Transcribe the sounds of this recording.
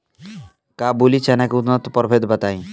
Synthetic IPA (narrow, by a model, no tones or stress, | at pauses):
kabulit͡ʃɛnakeut̪nɔt̪ːpɔɾbʰʱed̪bət̪aĩ